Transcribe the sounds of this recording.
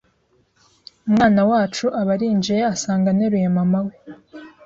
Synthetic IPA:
umŋaːnawaːt͡ʃuʔaβaɾiːnd͡ʒijeasaːŋɡaneɾujemamawe

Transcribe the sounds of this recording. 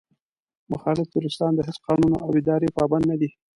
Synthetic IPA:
mʊxɑlɪfd̪uɾɪst̪ɑnd̪əɦɪsqɑnuno̰ʔawɪd̪ɑɾepɑband̪nad̪i

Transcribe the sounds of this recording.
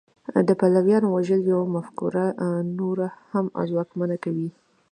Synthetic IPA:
d̪əpalawjɑnowaʒəljawmafkṵɾanoɾaham̰zwɑkmanakawi

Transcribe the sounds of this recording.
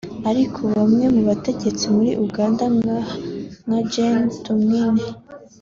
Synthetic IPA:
aɾikʰoβamŋe̞muβate̞ɟe̞t͡simuɾḭʔuɡaːnda | ŋad͡ʒentumŋine

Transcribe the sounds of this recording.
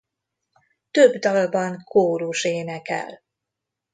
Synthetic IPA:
t̪øbd̪ɒlbɒŋkʰoːɾuʃeːnɛkɛ̰l

